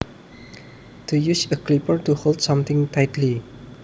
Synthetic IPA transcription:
tʰujusəklipəɹtuholdsʌ̃mt̪ɪ̃ŋtaɪtʰli

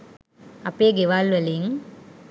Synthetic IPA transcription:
ɐpeːɡeʋaːlʋɐliŋ

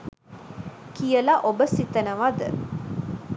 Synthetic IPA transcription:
kijəlaʔobəsit̪ənəʋad̪ə̰

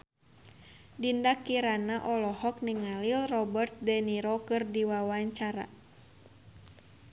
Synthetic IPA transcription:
dindakiɾanaʔɔlɔhɔk̚niŋalilrɔbərt̪̚dɛniɾɔkɨrdiwawaɲt͡ʃaɾa̰

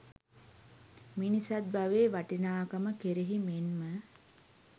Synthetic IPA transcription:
minisat̪̚baʋeːʋaʈinaːkɐməkeɾiɦimenmə

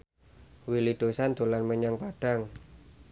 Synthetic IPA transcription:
wilid̪̥osant̪olanməɲaŋpaɖ̥aŋ

